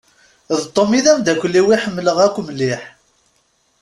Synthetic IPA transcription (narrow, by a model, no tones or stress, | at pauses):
ðt̪ˤːomiðæmd̪ækʷːlːiwiħəmːləʁækʷːmlːiħ